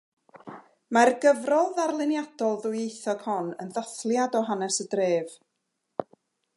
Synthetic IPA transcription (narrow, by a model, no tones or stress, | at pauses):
marɡəvrɔðarlˠɪnjad̥ɔlˠðʊjejθɔɡ̥hɔnənðaθlˠjadɔɦanɛsədreːv